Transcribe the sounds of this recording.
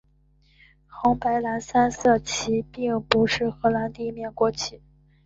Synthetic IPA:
xʊ˧˥ŋpa˧˥ɪla˧˥nsa˥nsɤ˥˩t͡ɕʰi˧˥pi˥˩ŋpu˧˥ʂɻ̩˥˩xɤ˧˥la˧˥nt̪i˥˧mjɛ˥˩nkwɔ˧˥t͡ɕʰi˧˥

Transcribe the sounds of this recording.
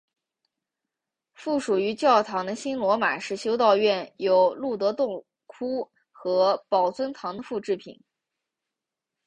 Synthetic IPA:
fu˥˩ʂu˨˩y˧˥t͡ɕjɑ˥˩ʊt̪ʰɑ˧˥ŋd̪ə˧ɕi˥nlwɔ˧˥ma˨˩ʂɻ̩˥˩ɕjo˥ʊt̪ɑ˥˧ʊɥɛ˥˩njo˧˥ʊlu˥˩t̪ɤ˧˥t̪ʊ˥˩ŋ | kʰu˥ | xɤ˧˥pɑ˨˩ʊt͡swə˥nt̪ʰɑ˧˥ŋd̪ə˧fu˥˧ʈ͡ʂɻ̩˥˩pʰḭ˨˩˦n

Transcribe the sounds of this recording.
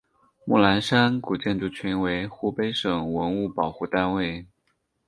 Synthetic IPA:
mu˥˩la˧˥nʂa˥nku˨˩t͡ɕjɛ˥˧nʈ͡ʂu˥˩t͡ɕʰy˧˥nwe˧˥ɪxu˥pe˥ɪʂɤ˨˩ŋwə˧˥nu˥˩pɑ˨˩ʊxu˥˩t̪a˥nwe˥˩ɪ

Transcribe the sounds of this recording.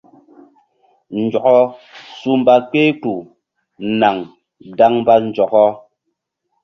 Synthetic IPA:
n̩˨d͡ʒɔ˨ʔɔ˦su˦m̩˦ba˦k͡pe˦tu˨ | na˨ŋ | da˦ŋm˦ba˦n˨d͡ʒɔ˨kɔ˦

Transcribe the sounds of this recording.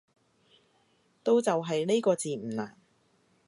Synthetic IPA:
t̪o˥˧wt͡sɐ˨wɦɐ˨jne˥jkɔː˧t͡siː˨˩m̩˨˩laː˨˩n

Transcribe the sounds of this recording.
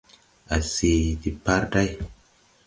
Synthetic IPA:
a˨si˨di˨pa˦ɾda˦j

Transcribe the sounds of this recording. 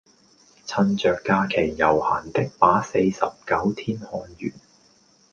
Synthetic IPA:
t͡sʰɐ˧nt͡ʃœː˨kːaː˧kʰe˨˩jːɐ˨˩wha̰ː˨˩nt̪ɪ˥k̚paː˨˥se˧jsɐ˨p̚kɐ˨˥wt̪ʰiː˥nhɔː˨˧njy̰ː˨˩n

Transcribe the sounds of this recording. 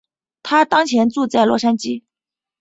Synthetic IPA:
t̪ʰa˥t̪ɑ˥ŋt͡ɕʰjɛ˧˥nt͡su˥˧t͡sa˥˩ɪlwɔ˥˩ʂa˥nt͡ɕi˥

